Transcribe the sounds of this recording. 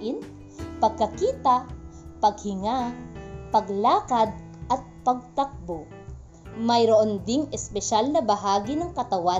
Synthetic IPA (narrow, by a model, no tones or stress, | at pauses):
ʔɪn | pɐɡ̚kɐkiːt̪ɐpɐɡhɪŋapɐɡlaːkɐd̪̚ | ʔɐt̪̚pɐɡ̚t̪ɐk̚bo | mɐjɾoʔond̪ɪŋɛspɛʃalnɐbɐɦaːɡɪnɐŋkɐt̪ɐwa